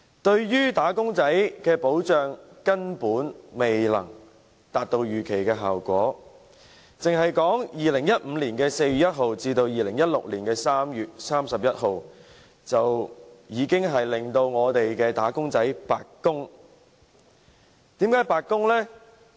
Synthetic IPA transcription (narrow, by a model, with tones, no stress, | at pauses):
t̪ɵ˧ɥjyː˥t̪aː˨˥kʊ˥ŋt͡sɐ˨˥jkɛː˧po˨˥wt͡ʃœː˨ŋkɐ˥npuː˨˥nme˨jlɐ̰˨˩ŋ | t̪aː˨t̚t̪o˧wjyː˨kʰe˨˩jkɛː˧ɦaː˨wkʷɔː˨˥ | t͡sɪ˨ŋɦɐ˨jkɔː˨˥ŋjiː˨lɪ˨˩ŋjɐ˥t̚m̩˨˧liː˨˩nkɛː˧se˧jy˨jɐ˥t̚ɦo˨wt͡siː˧t̪o˧wjiː˨lɪ˨˩ŋjɐ˥t̚lʊ̰˨k̚liː˨˩nkɛː˧saː˥mjyː˨t̚saː˥msɐ˨p̚jɐ˥t̚ɦo˨w | t͡sɐ˨wjiː˨˧kɪ˥ŋɦɐ˨jlɪ˨˩ŋt̪o˧wŋɔː˨˧t̪e˨jkɛː˧t̪aː˨˥kʊ˥ŋt͡sɐ˨˥jpaː˨kkːʊ˥ŋ | t̪iː˨˥mkaː˨˥jpaː˧kːʊ˥ŋlɛ˥